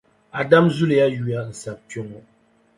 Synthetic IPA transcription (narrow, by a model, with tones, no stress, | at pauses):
a˨da˦mzu˦le˨ja˦ju˨a˦n̩˨sa˨pjɔ˦ŋɔ˦